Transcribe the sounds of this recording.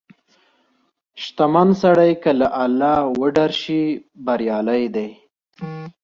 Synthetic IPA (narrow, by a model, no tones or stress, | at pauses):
ʃt̪amansaɽajkəlaʔalːɑwəɖaɾʃibaɾjɑlajd̪aj